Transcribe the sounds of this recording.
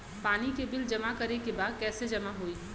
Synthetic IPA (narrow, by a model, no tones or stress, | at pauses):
paːnikebɪld͡ʒɐmakɐɾekebaːd̪̚kɛːsed͡ʒɐmaɦoiː